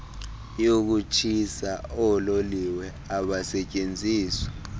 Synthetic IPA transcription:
jok̬ut͡ʃʰisaɔloliwɛ | aɓasɛt͡ʃʼend͡zʱiːswḁ

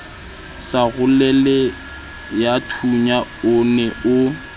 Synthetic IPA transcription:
saɣʊlɛlɛ | jatʰuɲaʊnɛʊ

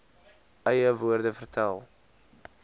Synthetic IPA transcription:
œjəvuːrdəfərtʰɛlˠ

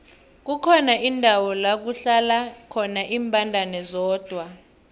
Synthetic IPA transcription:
k̬ukʰɔnaʔindʱawɔlak̬uɬalakʰɔnaʔiːmbʱʼandʱanɛzɔːd̥ʱwa

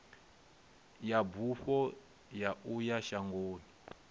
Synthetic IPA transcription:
jabuɸɔ | jaujaʃaŋɡoːni

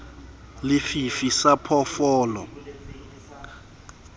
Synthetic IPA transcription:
lɪfifisapʰɔfɔːlɔ̰

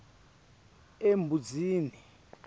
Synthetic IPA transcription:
embʱud͡ziːni

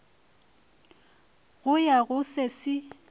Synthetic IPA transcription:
ɣʊjaɣʊsesɪ

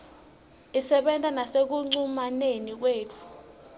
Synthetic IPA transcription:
isɛɓɛntʼanasek̬uŋ͡ǀumanenik̬weːt͡fʰu̥

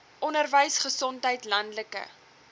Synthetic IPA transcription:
ʔɔnərvəjsχəsɔntɦəjtlɐndləkə̰

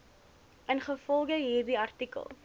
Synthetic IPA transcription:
ənχəfɔlˠɡəɦiːrdiɐrtikə̰lˠ

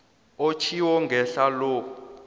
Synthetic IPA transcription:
ot͡ʃʰiwɔŋɡʱɛɬalɔː

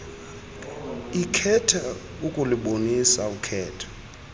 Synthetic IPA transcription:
ikʰɛtʰa | ukʼuliɓonisaukʰɛːtʰɔ̥

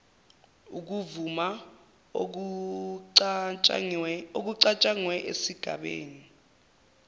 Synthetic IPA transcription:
uk̬uvuma | ok̬uǀat͡ʃʼaŋwɛʔḛsiɡ̥ʱa̰ɓḛːni

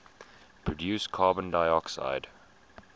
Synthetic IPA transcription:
pʰɹɔdjuːˑskʰɑːbə̃ndaɪɔksa̰ɪd̥

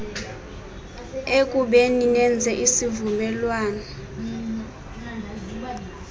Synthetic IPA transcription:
ekʼuɓeninɛnd͡zʱɛʔisivumɛlwaːnɔ

